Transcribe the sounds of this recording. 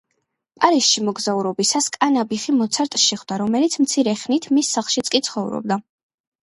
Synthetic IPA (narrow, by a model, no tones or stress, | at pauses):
pʼaɾisʃimɔɡzauɾɔbisaskʼanabiχimɔt̪sʰaɾt̪ʼʃɛχwd̪aɾɔmɛlit̪sʰmt̪sʰiɾɛχnit̪ʰmisːaχlˠʃit̪sʼkʼit̪sʰχɔvɾɔ̰b̚d̪a